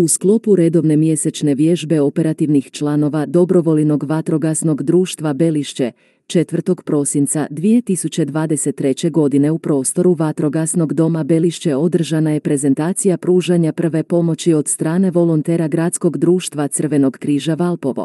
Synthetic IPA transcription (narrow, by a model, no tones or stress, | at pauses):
usklˠo̞puɾe̞d̪o̞ʋne̞mje̞set͡ʃne̞ʋje̞ʒbe̞o̞pe̞ɾat̪iʋnixt͡ʃlˠano̞ʋad̪o̞bɾo̞ʋo̞lno̞ɡʋat̪ɾo̞ɡasno̞ɡd̪ɾuːʃt̪ʋabe̞liʃt͡ɕe̞ | t͡ʃe̞t̪ʋr̩t̪o̞ɡpɾo̞sint̪sad̪ʋije̞t̪isut͡ɕe̞d̪ʋaːd̪e̞set̪ːɾe̞t͡ɕe̞ɡo̞d̪ine̞upɾo̞ːst̪o̞ɾuʋat̪ɾo̞ɡasno̞ɡd̪o̞mabe̞liʃt͡ɕe̞o̞d̪r̩ʒanaje̞pɾe̞ze̞nt̪aːt̪sijapɾuːʒaɲapr̩ʋe̞po̞mo̞t͡ɕio̞d̪st̪ɾaːne̞ʋo̞lˠo̞nt̪e̞ːɾaɡɾat̪sko̞ɡd̪ɾuːʃt̪ʋat̪sərʋe̞no̞ɡkɾiːʒaʋalˠpo̞ʋo̞̰